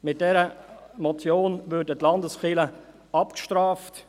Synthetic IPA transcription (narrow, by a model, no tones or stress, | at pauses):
mɪt̚d̥ɛɾəmɔt͡sjoːnvʏɾdətlɑndəsχɪlə | ɑpkʃtɾaːft